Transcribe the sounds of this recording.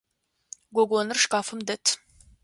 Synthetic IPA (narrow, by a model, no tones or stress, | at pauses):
ɡʷɔɡʷɔnɨrʂkʼaːfɨmdɐtʰ